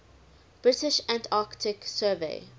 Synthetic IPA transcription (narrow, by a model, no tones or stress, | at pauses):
b̥ɹɪtɪʃæ̃ntʰaːktʰɪksɜːvḛɪ